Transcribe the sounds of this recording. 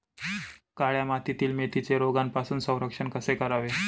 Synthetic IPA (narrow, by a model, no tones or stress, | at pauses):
kaɭjamat̪it̪iːlmet̪it͡seɾoɡanpasuːnsə̃w̃ɾəkʂənkəsekəɾaʋe